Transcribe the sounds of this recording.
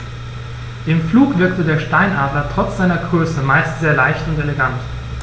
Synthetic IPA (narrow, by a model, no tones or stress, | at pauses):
d̥eːmfluːkv̥ɪɐktədeːɐʃtaɪnʔaːbɐtʁ̥ɔt͡sz̥aɪnɐɡʁøːsəmaɪstz̥eːɐlaɪçtʊnteleɡant